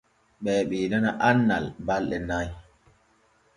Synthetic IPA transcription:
ɓɛːɓɛdanaʔanːa̰lbalɗɛnaj

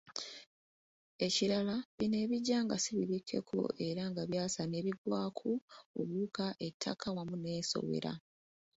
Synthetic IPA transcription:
e̞ciɾalaβine̞βiɟːaŋɡasiβiβikʰːe̞̰kʰo̞̰ʔe̞ɾaŋɡaβjaːsane̞βiɡwaːkʰoo̰βuːkaʔe̞tʰːa̰kawamune̞ːso̞̰wḛɾa̰

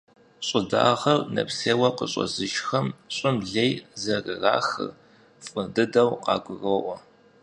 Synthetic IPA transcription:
ɕʼɪda̰ːʁɐrnɐ̰pseːwɐqəɕʼɐ̰zɨʃxɐmɕʼɪmɮejzɐrɨra̰ːxɨ̰ | fʼɨdɨdɐwqɑːɡʷʊɣɐʔʷɔ

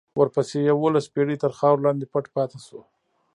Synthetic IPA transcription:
wəɾpəsejawolaspeɽit̪əɾxɑwɾlɑnd̪epaʈpɑt̪eso

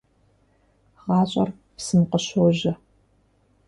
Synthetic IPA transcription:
ʁɑːɕʼɐ̰r | psɨmqəɕoʑɐ

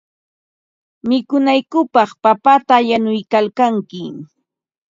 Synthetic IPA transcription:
mɪkʊnajkʊpɑχpapat̪aʎanʊjkalkaŋkɪ

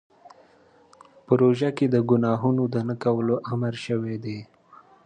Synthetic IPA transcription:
pəɾoʒaked̪əɡʊnɑɦunod̪ənakawəloʔaməɾʃəwed̪e

